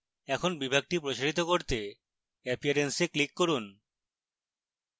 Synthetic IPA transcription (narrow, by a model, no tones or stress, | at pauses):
ɛkʰonbibʱaɡ̚ʈipɾoʃaɽit̪okoɾt̪e | ɛpʰiaɾenseklikːoɾun